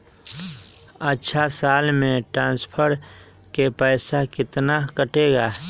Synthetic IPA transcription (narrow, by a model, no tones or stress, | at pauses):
ətːʃʰasaːlmẽʈɾãːnspʰəɾ | kepɛːsakɪt̪nakəʈeːɡaː